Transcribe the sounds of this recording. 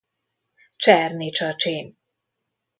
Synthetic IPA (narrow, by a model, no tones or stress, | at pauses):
t͡ʃɛrnit͡ʃɒt͡ʃeːn